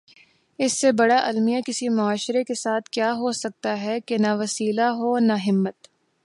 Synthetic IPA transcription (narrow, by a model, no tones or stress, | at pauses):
ɪsːebɐɽaʔɐlmijakɪsimʊaːʃɾekesaːt̪ʰkjaːɦosɐk̚t̪aɦɛkenaʋɐsiːlaɦonaɦɪmːət̪